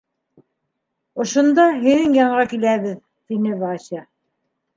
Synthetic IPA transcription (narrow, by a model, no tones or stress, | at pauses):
ŏʃŏnd̪ɑɦɘ̆ðɘŋjɑɴʁɑkilæβɘð | t̪inɘβɑɕɑ